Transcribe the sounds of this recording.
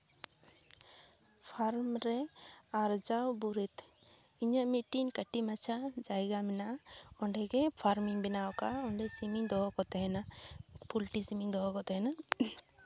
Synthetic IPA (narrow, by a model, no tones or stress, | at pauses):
pʰaɾmɾɛaɾd͡ʒawbuɾit̪ | iɲaʔmiʈinkəʈimat͡ʃʰad͡ʒajɡamɛnaɔɳɖɛkɛpʰaɾmiŋbɛnawkaɔɳɖɛsimiɲd̪ɔɦɔkɔt̪ɛɦɛnapulʈisimiɲd̪ɔɦɔkɔt̪ɛɦɛna